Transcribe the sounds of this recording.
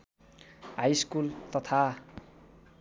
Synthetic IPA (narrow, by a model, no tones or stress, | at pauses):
ɦajskult̪ʌt̪ʰa